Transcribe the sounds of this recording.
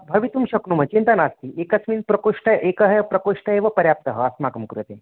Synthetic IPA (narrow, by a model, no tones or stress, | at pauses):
bʱɐʋit̪umɕɐknumɐt͡ɕint̪ənast̪iːʔekəsmiːnpɾɐkoʂʈəʔekəɦəjpɾɐkoʂʈəeʋəpɐɾjap̚t̪əɦəəsmakəmkɾut̪ẽ